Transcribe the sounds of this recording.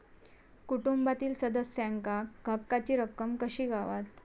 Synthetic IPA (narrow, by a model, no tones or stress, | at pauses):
kuʈumbat̪iːlsəd̪əsjaŋkakɡʱəkːat͡ɕiːɾəkːəmkəɕiːɡʱaʋat̪